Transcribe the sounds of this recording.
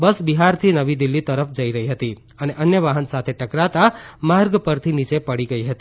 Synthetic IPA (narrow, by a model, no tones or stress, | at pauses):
bəsbiɦaɾt̪ʰinəʋid̪ilːit̪əɾəfʰd͡ʒəiɾəɦiɦət̪i | əneʔənjəʋaɦənsat̪ʰeʈəkɾat̪amaɾɡpəɾt̪ʰinit͡ʃepəɽiɡəiɦət̪i